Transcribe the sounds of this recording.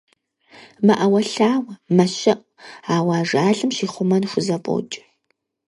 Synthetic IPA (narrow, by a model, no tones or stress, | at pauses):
mɐʔɐwɐɬaːwɐmɐɕɐʔ | aːwaːʐaːɮɨmʃiːχʷʊmɐnxʷʊzɐpʼo̰t͡ʃʼɪ̥